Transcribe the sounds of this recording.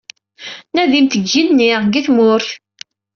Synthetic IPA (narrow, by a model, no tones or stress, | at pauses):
næðimt̪əɡːinniʁɡiθmʊɾθ